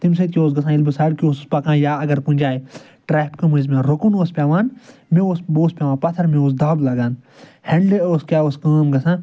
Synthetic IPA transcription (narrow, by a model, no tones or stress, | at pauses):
t̪ims̬ɐt̪̚kʲioːs̬ɡɐs̬ʰãːilbɨsaːɽkioːspɐkãːjaːɐɡɐɾpũnʲd͡ʒaːi | ʈɾɛːpkɐmuzmẽːɾokunoːspʲaːʋãːnmẽoːsboːspʲjaːʋãːpɐt̪ʰɐɾmẽoːs̬d̪aːblɐɡaːnhɐɳɖleoːskʲaːoːskɐːmɡɐsãː